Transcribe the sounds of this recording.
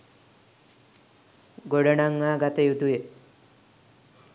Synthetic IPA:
ɡoɖəɳaŋːaɡat̪ejud̪uje

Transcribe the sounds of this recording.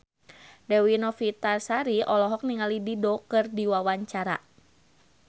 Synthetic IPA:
dɛwinɔfit̪asaɾiɔlɔɦɔk̚niŋalididoɔkɨrdiwawaɲt͡ʃaɾa

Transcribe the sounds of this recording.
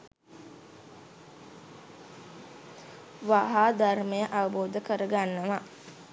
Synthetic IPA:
ʋaɦaːd̪arməjəʔaʋəboːd̪əkəɾəɡanːəʋa

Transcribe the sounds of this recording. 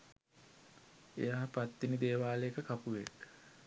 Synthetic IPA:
ḛjaːpat̪ːinid̪eːʋaːleekəkapuʋḛk

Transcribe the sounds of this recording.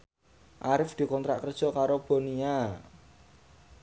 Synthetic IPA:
ʔaɾɪfd̪̥i̤kɔnt̪ɾa̰ʔkərd̥ʒ̥ɔ̤kaɾob̥o̤nia

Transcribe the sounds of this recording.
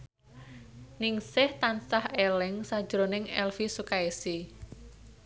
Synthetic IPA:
nɪŋsɪht̪ansahelɪŋsad̥ʒ̥ɾonɪŋɛlfisukaesi

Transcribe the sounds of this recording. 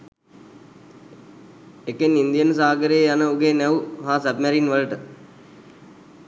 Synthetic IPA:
ekenːind̪ijənəsaːaɡəɾejːjanəuɡeːnɛuɦaːsəbmɛɾinʋələʈə

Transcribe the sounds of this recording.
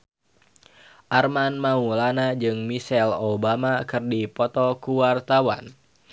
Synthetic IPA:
ʔarmanmaulanad͡ʒɨŋmisɛlobamakɨrdipɔt̪ɔkuwart̪awa̰n

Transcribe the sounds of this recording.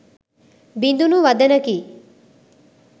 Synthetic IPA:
bind̪unuʋɐd̪ɐnɐkiː

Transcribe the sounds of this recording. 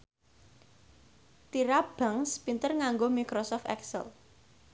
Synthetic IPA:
t̪iɾab̥aŋspint̪ərŋaŋɡomikɾosɔft̪ɛ̰ksə̰l

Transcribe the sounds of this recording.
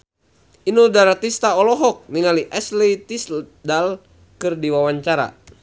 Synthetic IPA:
inudaɾat̪ist̪aɔlɔɦɔk̚niŋaliʔɛslit̪isdal | kɨrdiwawaɲt͡ʃaɾa̰

